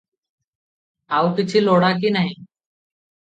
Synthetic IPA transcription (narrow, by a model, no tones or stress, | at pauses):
aːuːkɪt͡ʃʰiːloːɽaːk̬iːnəɦĩː